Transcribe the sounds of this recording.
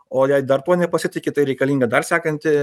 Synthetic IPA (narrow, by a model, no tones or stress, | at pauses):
oːjɛɪd̪ɐrt̪uɔnʲɛpɐsʲɪt̪ʲɪkʲɪt̪ɐɪɾʲɛɪkɐlʲiːŋɡɐd̪ɐrsʲæːkɐnʲt̪ʲɪ